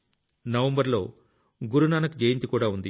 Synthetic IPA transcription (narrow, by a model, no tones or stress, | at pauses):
nɐʋɐmbɐɾlo̞ː | ɡuɾunaːnɐkd͡ʒejint̪ikuːɽaːund̪i